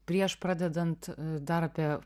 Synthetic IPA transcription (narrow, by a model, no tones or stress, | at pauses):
pʲɾʲiɛʃpɾɑːd̪ʲɛd̪ɐnt̪d̪ɐɾɐpʲiɛ